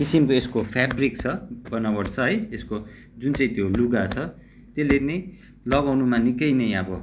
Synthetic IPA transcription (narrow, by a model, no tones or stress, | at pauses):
kisimkoeskopʰabrikt͡sʰʌbʌnʌbʌɽt͡sʰʌɦʌjesko | d͡zunt͡sʌĩt̪joluɡat͡sʰʌ | t̪elːene | lʌbawnumanikʌjnʌj̃ʌbʌ